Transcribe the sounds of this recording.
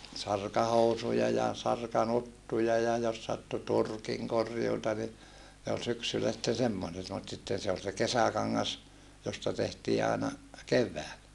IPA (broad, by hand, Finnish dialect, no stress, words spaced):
sɑrkɑhousujɑ jɑ sɑrkɑnutːujɑ jɑ jos sɑtːu turkiŋ korjuːtɑ ni ne ol syksylːæ sitːen semːoset mut sitːen̞ se ol se kesækɑŋːɑs jostɑ tehtiː ɑˑenɑ keʋːæːlæ